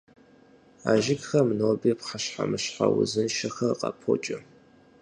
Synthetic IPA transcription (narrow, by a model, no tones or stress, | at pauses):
aʒɪɡxɐmnoːbipχaʃħamɨɕħawʊzɨnʃɪxɐqʼɑpʰo̰t͡ʃʼɪ